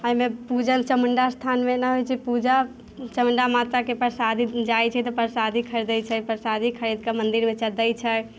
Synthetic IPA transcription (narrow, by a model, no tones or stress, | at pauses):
əimepud͡ʒənt͡ʃəməɳɖast̪ʰanmenɛɦojt͡ʃʰipud͡ʒa | t͡ʃəməɳɖamat̪ɾakepəɾsad̪ʱid͡ʒajt͡ʃʰɛt̪ɔpəɾsad̪ʱikʰəɾd̪əjt͡ʃʰəpəɾsad̪ʱikʰəɾid̪kamənd̪iɾmet͡ʃəd̪əjt͡ʃʰə